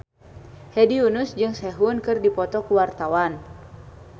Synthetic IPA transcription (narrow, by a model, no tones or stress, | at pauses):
hɛdiunusd͡ʒɨŋsɛɦunkɨrdipɔt̪ɔkuwart̪awan